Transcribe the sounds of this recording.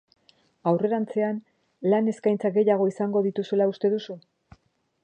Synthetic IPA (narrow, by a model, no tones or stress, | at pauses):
awre̞ɾant͡se̞an | lane̞skajnt͡saɡe̞jaɣ̞o̞isaŋɡo̞ðit̪usulaust̪e̞ðusu